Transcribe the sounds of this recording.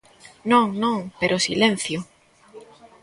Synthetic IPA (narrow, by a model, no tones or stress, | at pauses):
nõŋnõŋpeɾʔosilen̟θjʊ